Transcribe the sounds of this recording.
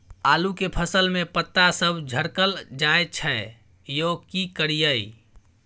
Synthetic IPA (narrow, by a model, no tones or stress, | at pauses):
alukepʰəsəlmepət̪ːasəbʱd͡ʒʱəɽkəld͡ʒaet͡ʃʰə | jokikəɾijəi